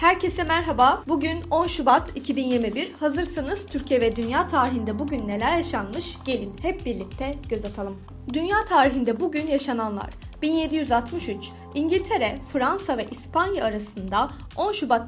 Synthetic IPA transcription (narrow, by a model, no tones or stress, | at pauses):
hæɾcʰe̞sɛmæɾɦabaːbuɟyno̞nʃubat̪ʰicʰibinjiɾmibiɾhazɯɾsɯnɯz̥t̪ʰyɾcʰijɛvɛd̪ynjaːt̪ʰaːɾiɦind̪ɛbuɟynːe̞lʲæɾjaʃanmɯʃɟ̥e̞lʲinhɛp̚biɾlʲic̚t̪ʰɛɟ̥ø̞zat̪ʰalˠɯm | d̪ynjaːt̪ʰaːɾiɦind̪ɛbuɟynjaʃananlˠa̰ɾ̥ | binje̞d̪ijyzat̪mɯʃyt͡ʃ | iɲɟilʲt̪ʰe̞ɾɛfɾansavɛʔispanjaːɾasɯnd̪a | o̞nʃubat̪